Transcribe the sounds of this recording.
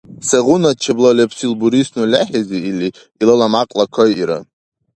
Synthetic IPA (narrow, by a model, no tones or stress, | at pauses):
saʁʊnat͡ʃʰablalʲepʰsilbuɾisnulʲaħizeili | ilalamaqʼlakʷʰajiɾa̰